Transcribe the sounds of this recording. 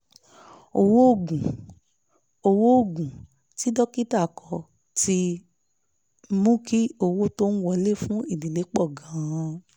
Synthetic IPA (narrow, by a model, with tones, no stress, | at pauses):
o˨wo˦o˦˨ɡũ˨ | o˧wo˦o˦˨ɡũ˨ | ti˦dɔ˦ki˦ta˦˨kɔ˨ | ti˦ | mũ˦ki˦o˧wo˦to˦n̩˦wɔ˧le˦˨fũ˦i˦˨dĩ˨le˨˦k͡pɔ˦˨ɡã˨˦ã˧